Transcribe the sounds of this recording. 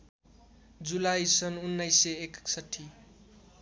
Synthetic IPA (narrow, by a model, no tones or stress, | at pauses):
d͡zulajsʌnunːʌjseeksʌʈʰːi